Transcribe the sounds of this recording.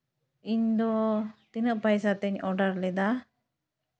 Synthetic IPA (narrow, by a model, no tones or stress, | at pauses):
iɲd̪ɔt̪inəʔpajsat̪ɛɲɔɖaɾlɛd̪a